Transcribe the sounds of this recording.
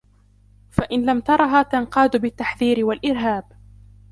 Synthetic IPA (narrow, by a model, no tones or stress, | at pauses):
faʔɪnlamt̪ɑɾˤɑɦaːt̪anqɑːd̪ʊbɪt̪ːaħðiːɾɪwalʔɪɾɦaːb